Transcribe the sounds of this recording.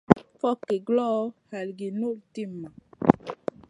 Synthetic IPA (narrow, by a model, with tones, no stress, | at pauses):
fɔ˦kːe˨ɡlɔ˦ha˨lɡi˨no˦˨lti˦˨mːa˨